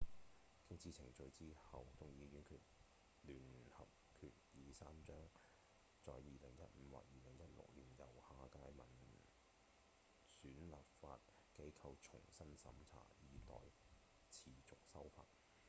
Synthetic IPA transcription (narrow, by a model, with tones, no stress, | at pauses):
kɪ˥ŋt͡sʰiː˧t͡sʰɪ˨˩ŋt͡ʃɵ˧ɥt͡siː˥hɐ˨wt̪ʊ˨ŋjiː˨˧jyː˨˥nkʰyː˧t̚ | lyː˨˩nhɐ˨p̚ | kʰy̰ː˨˧t̚jiː˨˧saː˥mt͡ʃœː˥ŋ | t͡sɔ̰ː˨jjiː˨lɪ˨˩ŋjɐ̰˦˥t̚m̩˨˧wa̰ː˨˥t̚jiː˨˧lɪ˨˩ŋjɐ˥t̚lʊ̰˨k̚liː˨˩njɐ˨˩whaː˨kaː˧jmɐ˨˩n | syː˨˥nlaː˨p̚faː˧t̚ | ke˨˥jkʰɐ˧wt͡ʃʰʊ˨˩ŋsɐ˥nsɐ̰˨˥mt͡sʰa̰ː˨˩jiː˨˧t̪ɔ̰ː˨˩j | t͡sʰiː˨˩t͡sʊ˨k̚sɐ˥wfa̰ː˧˥t̚